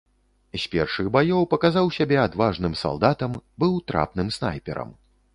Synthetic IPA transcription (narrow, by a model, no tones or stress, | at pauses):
zʲpʲɛrʂɨɣbajɔwpɐkazawsʲabʲɛad̪vaʐnɨmsa̰lˠd̪at̪ɐmbɨwt̪ɾa̰pnɨmsna̰jpʲɛ̰ɾɐ̰m